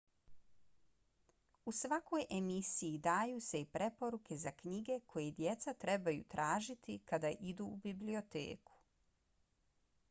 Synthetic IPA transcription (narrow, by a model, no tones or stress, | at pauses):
usʋako̞jʔe̞misijid̪aːjuːse̞ipɾe̞po̞ɾuke̞zakɲiɡe̞kʰo̞jed̪je̞t̪sat̪ɾe̞bajṵt̪ɾʔaːʒit̪ikad̪aʔid̪uːbiblio̞t̪ḛːku̥